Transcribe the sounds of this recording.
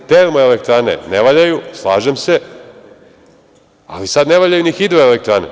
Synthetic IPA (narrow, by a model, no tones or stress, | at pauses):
t̪eɾmoelek̚t̪ɾaːnḛneʋaʎajuslˠaːʒemse | a̰lisad̪neʋaʎajunixid̪oelek̚t̪ɾanḛ